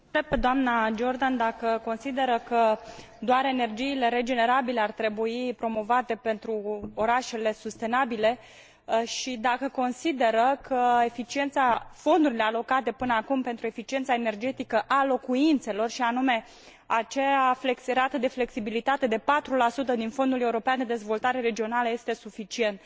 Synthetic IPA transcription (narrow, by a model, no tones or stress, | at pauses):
t̪ɾeb̚ped̪oamnad͡ʒo̞rd̪and̪akəko̞nsid̪e̞ɾəkə | d̪oaɾene̞rd͡ʒiːle̞ɾe̞d͡ʒe̞ne̞ɾabile̞art̪ɾe̞buipɾo̞mo̞vat̪e̞pe̞nt̪ɾuo̞ɾaʃe̞le̞sust̪e̞nabile̞ | ʃid̪akəko̞nsid̪e̞ɾəkʰəe̞fit͡ʃie̞nt̪safo̞nd̪uɾile̞alo̞kat̪e̞pɨnəakumpe̞nt̪ɾue̞fit͡ʃie̞nt̪sae̞ne̞rd͡ʒe̞t̪ikəʔalo̞kuint̪se̞lo̞rʃianume̞ | at͡ʃeafleksɾat̪əd̪e̞fle̞ksibilit̪at̪e̞d̪e̞pat̪ɾulasut̪əd̪info̞nd̪ule̞uɾo̞peand̪e̞d̪e̞zvo̞lt̪aɾe̞ɾe̞d͡ʒio̞naləje̞st̪e̞sufit͡ʃie̞nt̪